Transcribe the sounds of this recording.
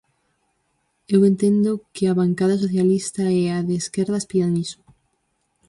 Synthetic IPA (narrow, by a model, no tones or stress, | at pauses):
ewent̪end̪okeaβaŋkaðasoθjalist̪aeaðeskeɾðaspiðaniso̥